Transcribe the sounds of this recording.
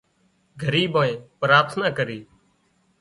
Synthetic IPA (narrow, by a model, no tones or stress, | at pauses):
ɡʱəɾiːbaːẽːpɾaːɾt̪ʰnaːkəɾiː